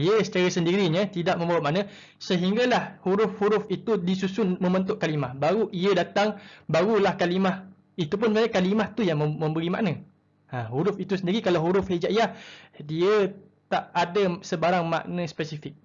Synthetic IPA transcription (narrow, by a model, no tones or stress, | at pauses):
iəsə̥t͡ʃaɾasəndiɾiɲə̃t̪idaʔ̚mə̃mbawaʔ̚maʔnə̃ | səɦiŋɡalahhuɾʊfhuɾʊfit̪udisusʊnmə̃mbənt̪̬ʊʔkalimahbaɾuʔiədat̪aŋbaɾulahkalimah | it̪up̬ʊnməanakalimaht̪ujaŋməmə̃mbəɾima̰ʔnã | ãɦuɾʊfit̪usəndiɾikalawɦuɾʊfhed͡ʒaʔijahdiə | t̪aʔadəsəbaɾaŋma̰ʔnə̃spəsifɪk̚